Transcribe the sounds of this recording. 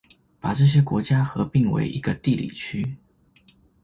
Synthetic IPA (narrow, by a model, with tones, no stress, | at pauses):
pa˨˩ʈ͡ʂɤ˥˩ɕ̬jɛ˥kwɔ˧˥t͡ɕja˥xɤ˧˥pi˥˩ŋwḛ˧˥ɪʔḭ˧˥ɡ̥ə˧t̪i˥˩lḭ˨˩t͡ɕʰy˥